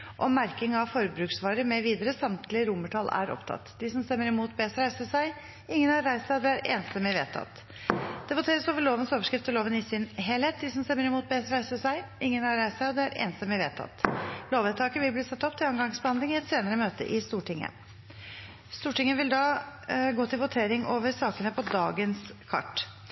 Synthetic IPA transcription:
ʔɔmːæɾkɪŋɑʋfɔɾbɾʉːksʋɑːɾəmɛʋiːd̪əɾəsɑmt̪ʰlɪɾʊməʈʰɑlæ̰ɾɔ̰pt̪ʰɑ̰t̪ːd̪ɪsɔmst̪ɛmːəɾɪmuːt̪̚beːsɾæɪsəʂæɪ | ɪŋːənhɑɾɾæɪsɑɔd̪ɛæɾḛːnst̪əmɛʋḛːt̪ʰɑ̰t̪ | d̪̥ɛbʊt̪ʰeːɾəsoːʋəɭoːʋənəsoːʋəʂkɾɪft̪ʰːɪloːʋənɪsɪnɦeːlheːt̪̚d̪ɪsɔmst̪ɛmːəɾɪmuːt̪̚beːsɾæɪsəʂæɪʔɪŋːənhɑɾæɪsæɪɔd̪ɛæɾḛːnst̪əmɛʋeːt̪ʰɑ̰t̪ːloːʋɛt̪ʰːɑːkəʋɪlbliːsɑt̪ːɔpt̪ʰɪlɑŋɡɑŋsbəhɑnd̪lɪŋɪɛt̪seːnəɾəmøːt̪ə̰ʔɪst̪uːʈʰɪŋːə̰ | st̪uːʈɪŋːəʋɪld̪ɑːɡoːt̪ʰɪlʋʊt̪ʰeːɾɪŋoːʋəɾsɑːkənəpʰɔd̪ɑːɡənskʰɑ̰ʈː

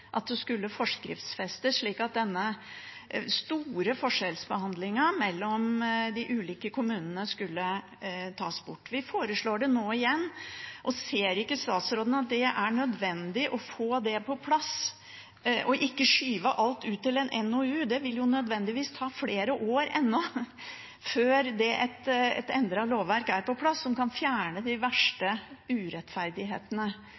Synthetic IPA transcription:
ʔɑt̪̚d̪ɛskʉlːəfɔʂkɾɪ̰ft̪sfɛst̪əʂɭiːkɑt̪̚d̪ɛnːə | st̪uːɾəfɔʂɛlsbəhɑnd̪lɪŋɑmɛlːɔmd̪ɪʔʉːliːkəkʰʊmʉːnənəskʉlːə | t̪ʰɑːsbʊʈːʋɪfoːɾəʂɭoːɖɛnoːɪjɛnːʔɔseːɾɪkːəst̪ɑːt̪sɾoːd̪ən̩ɑt̪̚d̪ɛʔæɳœd̪ʋɛnd̪ɪʔɔfoːd̪ɛpʰɔpʰlɑs | ʔɔʔɪkːəʂyːʋəʔɑlt̪ʉːt̪ːɪlɛnʔɛnoːʉːd̪ɛʋɪljʊnœd̪ʋɛnd̪ɪʋiːst̪ʰɑːfleːɾəʔoːɾɛnːɔ | føːɾd̪ɛʔɛt̪ɛ̰t̪ɛ̰nd̪ɾɑloːʋːæɾkæɾpɔpʰlɑsːɔmkɑnfjæːɳəd̪ɪʋæʂʈəʉːɾɛt̪fæɾd̪ɪɦḛːt̪ənə

